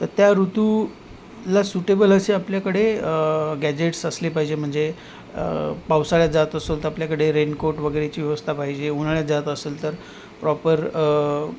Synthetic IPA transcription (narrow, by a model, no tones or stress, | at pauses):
t̪əɾt̪jaɾut̪u | lasuʈebələseapljakəɽe | ɡæd͡ʑeʈsəslepaɦid͡ʑem̤əɳd͡ze | pawsaɭjat̪̚d͡zat̪əsolt̪əapljakəɽeɾenkoɾʈʋəɡəɾet͡ɕiːʋjəʋəst̪ʰapaɦid͡ʑeunaɭjat̪̚d͡zat̪əseːlt̪əɾ | pɾɔpəɾ